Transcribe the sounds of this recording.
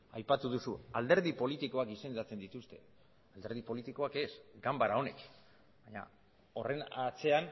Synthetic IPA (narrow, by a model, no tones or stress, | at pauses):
ajpat̪uðusuald̪e̞ɾðipo̞lit̪iko̞akise̞nd̪at͡se̞nd̪it̪ust̪e̞ | ald̪e̞ɾð̞ipo̞lit̪iko̞ake̞sɡambaɾao̞nḛk | baɲa̰ | o̞re̞nat͡se̞an